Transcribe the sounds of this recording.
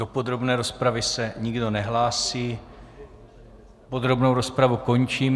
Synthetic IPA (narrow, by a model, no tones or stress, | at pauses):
opo̞d̪ɾo̞bnɛːɾo̞spɾavɪsɛɲɪɡdo̞nɛɦlaːsiː | po̞d̪ɾo̞bnowɾo̞spɾavuko̞ɲt͡ʃiːm